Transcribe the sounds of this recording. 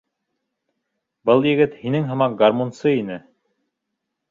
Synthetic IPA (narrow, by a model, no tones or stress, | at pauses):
bɤlˠjɘ̆ɡɘt̪hinɘŋɦɤ̆mɑq̚ɡarmonsɤinɘ